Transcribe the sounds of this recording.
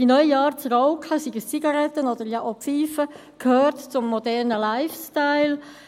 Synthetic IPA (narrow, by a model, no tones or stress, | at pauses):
d̥inœʏjɑːɾt͡srɔʊkʰəsiɡəst͡siɡɑɾɛt̪ənod̥̪əɾjɑʔopfiːfə | kʰhøːɾtt͡sʊmːɔdɛɾnəlaɪfstaɪl